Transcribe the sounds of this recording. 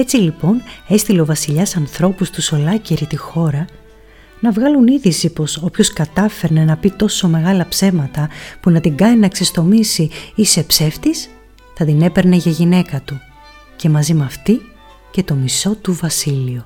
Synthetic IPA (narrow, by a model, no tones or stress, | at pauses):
e̞t͡silipo̞ne̞st̪ile̞o̞vɐsiʎɐsɐnθɾo̞pust̪uso̞lɐceɾit̪ixo̞ɾɐ | nɐvɣɐluniðisipo̞so̞pço̞skɐt̪ɐfe̞ɾne̞nɐpit̪o̞so̞me̞ɣɐlɐpse̞mɐt̪ɐpunɐt̪iɡɐninɐksest̪o̞misiise̞pse̞ft̪is | θɐt̪inepe̞ɾne̞ʝɐʝine̞kɐt̪u | ce̞mɐzimɐft̪i | ce̞t̪o̞miso̞t̪uvɐsilio